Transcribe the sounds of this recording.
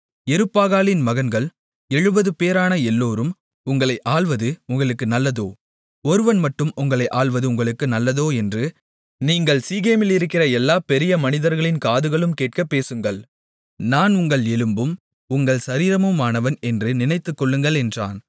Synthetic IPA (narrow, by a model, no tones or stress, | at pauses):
ɛɾɯpːaːɣaːlɪnmɐɣɐnɡɐɭ | ɛɻɯbɐðɯpeːɾaːnɐɛlːoːɾɯm | ʊŋɡɐɭɐɪʔaːɭʋɐðɯʊŋɡɐɭɯkːɯnɐlːɐðoː | ɔɾɯʋɐnmɐʈːɯmʊŋɡɐɭɐɪʔaːɭʋɐðɯʊŋɡɐɭɯkːɯnɐlːɐðoːɛndrɯ | niːŋɡɐɭsiːɣeːmɪlɪɾɯkːɪrɐɛlːaːpɛɾɪjɐmɐnɪðɐɾɣɐɭɪnkaːðɯɣɐɭɯmkeːʈ̚kɐpːeːsɯŋɡɐɭ | naːnʊŋɡɐɭɛɻɯmbɯm | ʊŋɡɐɭsɐɾiːɾɐmɯmaːnɐʋɐnɛndrɯnɪnɐɪt̪ːɯkːɔɭːɯŋɡɐɭɛndra̰ːn